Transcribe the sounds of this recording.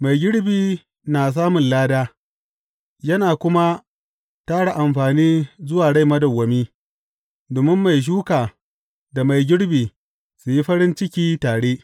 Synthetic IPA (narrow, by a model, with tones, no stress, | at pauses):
ma˨jɡʲɪ˦ɽbiː˨ | naː˨s̬aː˦mʊ˨nlaː˦daː˦ | jɐ˦naː˨kʷʊ˦ma˦ | taː˦ɽa˨ʔa˨mɸaː˨niː˦zʊ˦waː˨ɽa˦jmɐ˦dɐ˨wːɐ˨miː˦ | doː˨mɪ˦mːa˨jʃ̬uː˦kaː˨ | da˨ma˨jɡʲɪ˦ɽbiː˨ | su˨ji˦ɸɐ˦ɽɪ˦nt͡ʃɪ˦kʲiː˦taː˨ɽeː˦ʔ